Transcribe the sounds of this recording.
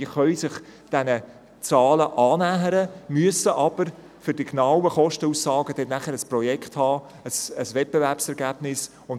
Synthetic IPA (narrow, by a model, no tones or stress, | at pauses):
iχœʏsɪχd̥ɛnə | t͡sɑːləʔɑːnæːɦəɾəmyəsəʔɑb̥əɾ | fʏɾd̥iɡnawəχɔʃtəusːɑːɡ̥əd̥ɛtnæχəɾəspɾɔjɛkχthɑː | əsəsvɛt̚b̥evæɾpsɛɾɡæːb̥nɪs | ʊn